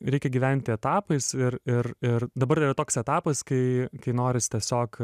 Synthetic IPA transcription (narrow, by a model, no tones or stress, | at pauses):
ɾʲɛɪkʲɛɡʲiːʋʲæˑnʲt̪ʲɪɛt̪ɑːpɐɪsɪɾɪrɪrd̪ɐbɐɾirɐt̪oːksɛt̪ɑːpɐskɐɪkɐɪnoːɾʲɪst̪ʲiɛsʲoːk